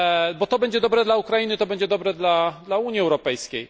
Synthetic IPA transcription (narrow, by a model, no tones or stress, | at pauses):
bɔt̪ɔbɛɲd͡ʑɛd̪ɔbɾɛd̪laukɾajinɘt̪ɔbɛɲd͡ʑɛd̪ɔbɾɛd̪lad̪lauɲiɛwɾɔpɛjskʲej